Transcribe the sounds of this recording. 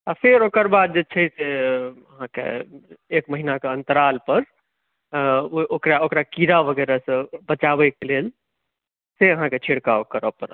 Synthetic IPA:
apʰeɾokəɾbad̪̚d͡ʒet͡ʃʰəseəɦãkḛekməɦinakeənt̪əɾalpəɾ | oʔokɾaokɾakiɾabʱəɡɛɾasə̃bət͡ʃabɛkelel | seəɦãket͡ʃʰiɽkaokəɾəpəɾ

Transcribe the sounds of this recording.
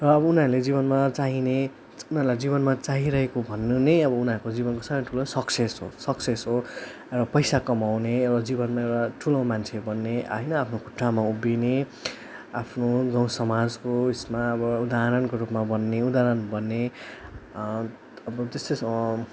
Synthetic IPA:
rʌːbʌunaɾled͡ziβʌnmat͡saɦine | unaːɾulajd͡ziβʌnmat͡saɦiɾʌɦekobʱʌnːunejʌbʌunãɾkod͡zibʌnkosʌbʌ̃ʈʰulõsʌksesɦosʌksesɦo | ewapʌjsakʌmawnerɾad͡zibʌnmaewɽaʈʰulõw̃mant͡sʰebʌnːeɦʌjnʌapʰnokuʈʰːamaubine | apʰnoɡʌw̃sʌmad͡zkoismaʌbʌud̪aɦɾʌnkoɾupmabʌnːeud̪aɾʌnbʌnːe | ʌbʌt̪est̪os

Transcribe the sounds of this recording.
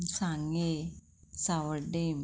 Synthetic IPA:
saŋe | sawəɖem

